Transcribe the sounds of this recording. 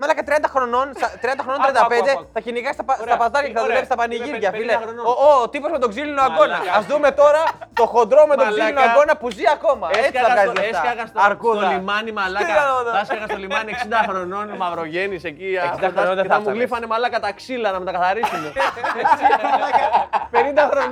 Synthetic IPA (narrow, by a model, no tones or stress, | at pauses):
mɐlɐkɐt̪ɾiɐnd̪ɐxɾo̞no̞nsɐt̪ɾiɐnd̪ɐxonont̪ɾiɐnd̪ɐped̪e̞θɐciniɣɐst̪ɐpsɐpɐzðɐɾʝɐkceθɐðuleist̪ɐpɐniʝiɾʝɐfileot̪ipo̞zmet̪o̞ɡzilinoaɡo̞nɐːzðume̞t̪o̞ɾɐt̪o̞xo̞nd̪ɾo̞me̞t̪oɡzilinoaɡo̞nɐpuziɐko̞mɐet͡siθɐkɐnzzleft̪ɐɐɣɐsɐɾkuolimɐnimɐlɐðɐskɐɣɐst̪olimɐnieksind̪ɐxɾononmɐvɾoʝe̞nisecieksid̪ɐooɐmulifɐnemalɐkɐt̪ɐksilɐnɐmet̪ɐkɐθɐɾisume | penind̪ɐxɾo